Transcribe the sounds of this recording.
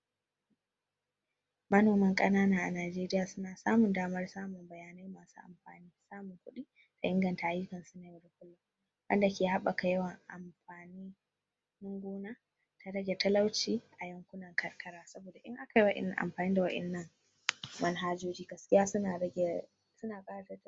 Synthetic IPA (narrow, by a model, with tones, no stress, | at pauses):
mɐ˦noː˨mɐ˦ŋkʼɐ˦naː˦naː˦ʔa˨naː˨d͡ʒeː˦ɾɪ˦jaː˨sʊ˦naː˨saː˦mʊ˨ndaː˦mɐ˦rsaː˦mʊ˨mbɐ˨jaː˨na˦jmaː˨sṵ˦ʔa̰˨mɸa̰ː˨niː˦saː˦mʊ˨ŋkʷʊ˦ɗi˦ | ta˨ʔɪ˦ŋɡɐ˨nta˨ʔa˨jʊ˦kɐ˨nsʊ˦naː˨wɐ˨ɾkʷʊ˦lːa˦ | wɐ̰˦nda˨kʲeː˨ha˦ɓa˨ka˨jɐ˦wɐ˨ŋʔa̰˨mɸaː˨niː˦ | nɪ˦ŋɡʷoː˦na˦ | ta˨ɾɐ˦ɡʲe˨tɐ˦la˦wt͡ʃiː˦ʔa˨jɐ˦ŋkʷʊ˦nɐ˨ŋkʰɐ˨rkʰɐ˦ɾaː˦sɐ˦boː˨da˨ʔɪ̰˦ŋʔa˦ka˨ji˦wɐ˦ʔɪ̰˨n˨ʔa̰˨mɸaː˨niː˦da˨wɐ˦ɗɪ̰˨nːɐ˦ŋ | wɐ˦nɦaː˦d͡ʒoː˦d͡ʒiː˦ɡɐ˦skʲɪ˦jaː˦sʊ˦a˨˦˨ | sʊ˦naː˨kʼaː˦ɾa˨tɐ˦t